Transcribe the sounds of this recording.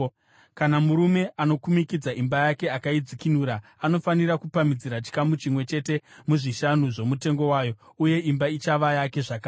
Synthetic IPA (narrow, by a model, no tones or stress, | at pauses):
kanamuɾume̞ʔano̞kumikid͡zaʔimbajake̞akaid͡zikinuːɾa | ano̞fanirakupamid͡ziɾat͡ʃi̥kamut͡ʃimwe̞t͡ʃe̞te̞muʐiʃanuʐo̞mute̞ŋɡo̞waːjo̞uje̞ʔimbait͡ʃaʋajake̞ʐaka